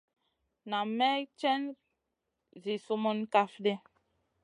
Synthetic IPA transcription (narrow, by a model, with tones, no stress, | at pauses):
na˨mɛ˦t͡ʃɛ˦n | zi˨su˦mo˦nka˦fde˦